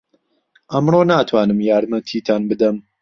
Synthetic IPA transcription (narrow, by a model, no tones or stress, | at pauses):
ʔɐmroːnaːt̪ʰwaːnɨmjaːɾmɐt̪ʰiːt̪ʰaːnbɨd̪ɐm